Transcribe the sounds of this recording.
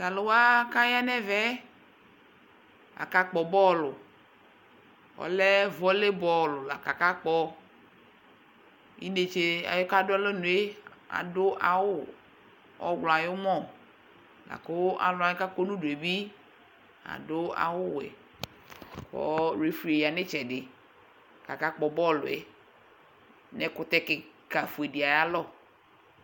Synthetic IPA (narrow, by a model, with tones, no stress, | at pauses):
ta˨lo˦wa˦ka˦ja˦nɛ˦vɛ˦ | a̰˨ka˨k͡pɔ˨bɔ˦lʊ˨ | ɔ̰˨lɛ˦vɔ˦le˦bɔ˦lʊ˨la̰˨ka˨ka˦k͡pɔ˦ | ḭ˦ne˨t͡ʃe˦a̰˨jo˦ka˦dʊ˦a˦le˦nũ˨e˦a̰˨dʊ˦ʔa˨wʊ˦ | ɔ˦ɡ͡blɔ˨a˨jo˦mɔ̃˦˨ | la̰˨ko˦a̰˨lʊ˨˦a˨jo˦ka˦k͡po˦nũ˦du˨e˨bi˦ | a̰˨dʊ˦a̰˨wʊ˦wɛ̰˨ | kɔ̰˦ɾe˨fi˨e˨ja˨nɪ˦t͡ʃɛ˨dɪ˨ | ka˨ka˦k͡pɔ˨bɔ˦lʊ̰˨ɛ̰˨ | nɛ˦kʊ˦t̪ɛ˦kɪ˨ka˨fu˨e˨di˨a˨ja˦lɔ˦˨